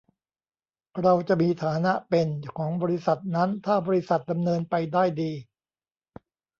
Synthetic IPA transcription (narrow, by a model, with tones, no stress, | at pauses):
ɾa˧wt͡ɕa˨˩ʔmiː˧t̪ʰaː˩˦na˦˥ʔpe˧nkʰɔː˩˦ŋbɔː˧ɾi˦˥sa˨˩t̪̚na˦˥nt̪ʰaː˥˩bɔː˧ɾi˦˥sa˨˩t̪̚da˧mnɤː˧npa˧jdaː˥˩jdiː˧